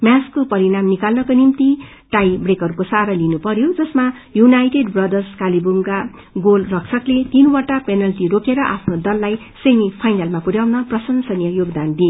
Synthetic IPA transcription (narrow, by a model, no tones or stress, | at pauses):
mjaskopʌɾiɾamnikalnʌkonimt̪i | ʈajbrekʌɾukosaɾalinupʌɾjod͡zʌsmajunajʈeɖbrʌd̪ʌrskalibuŋka | ɡolrʌksʌklet̪inwaʈapenʌlʈiɾokʰeɾʌʔapʰnod̪ʌlːaj | semipʰajnalmapuɾjawnʌprʌsʌnsʌnjʌjoɡd̪and̪ie